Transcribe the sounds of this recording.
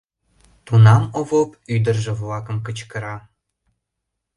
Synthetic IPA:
t̪unɑmovopyd̪ərʒĕvlɑkə̆mkət͡ɕkə̆ɾɑ

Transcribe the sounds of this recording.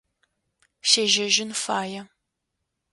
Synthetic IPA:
ʃeːʒɐʒɪnfaːjɐ

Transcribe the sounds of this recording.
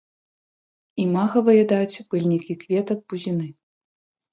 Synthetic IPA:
imaɣɐvɐjɛd̪at͡sʲb̥ɨlʲnʲikʲikvʲɛt̪ɐd̪̚buzʲinɨ

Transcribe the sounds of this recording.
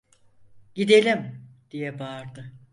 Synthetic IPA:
ɟid̪elʲimd̪̥ijɛbaɾd̪ɯ

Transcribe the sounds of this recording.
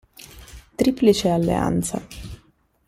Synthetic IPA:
t̪ɾiplit͡ʃealːḛa̰nt̪sa̰

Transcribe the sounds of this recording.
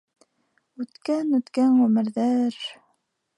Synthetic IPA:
ʉt̪kænʉt̪kænʁʉmɘ̆ɾðæɾ

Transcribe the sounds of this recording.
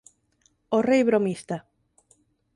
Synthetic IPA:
orejβɾomist̪a

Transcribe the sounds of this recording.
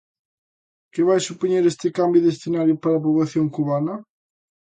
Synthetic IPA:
kɪβajsupoɲeɾest̪ɪkambjuðesθenaɾjupaɾap̬oβlaθjoŋkuβanɐ

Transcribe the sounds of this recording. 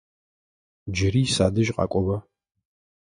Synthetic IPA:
d͡ʒɪɾiːsa̰ːdɨʒqʼɑ̰ːkʷʼɔbɐ

